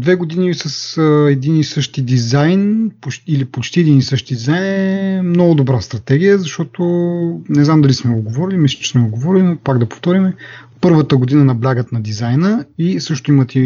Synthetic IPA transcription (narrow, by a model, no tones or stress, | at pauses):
d̪vɛɡod̪inisɐsɛd̪inisɤʃt̪id̪izajnpoilipot͡ʃt̪iɛd̪inisɤʃt̪id̪izajnɛɛmnɔɡʊd̪obɾast̪ɾɐt̪ɛɡijəzɐʃt̪ɔt̪onɛznamd̪ɐlismɛɡoɡovɔɾilimislʲɐ̥t͡ʃɛ̥smɛɡoɡovɔɾilʲinopaɡd̪ɐpo̥ft̪ɔɾimɛpɤɾvət̪əɡod̪inənɐblʲaɡət̪nɐd̪izajnəisɤʃt̪ʊimət̪i